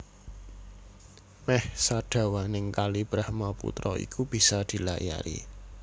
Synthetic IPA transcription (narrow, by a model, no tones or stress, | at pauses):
mɛhsaɖ̥a̤wanɪŋkalib̥ɾahmapṵt̪ɾɔḭkub̥i̤sad̪̥i̤laja̰ɾḭ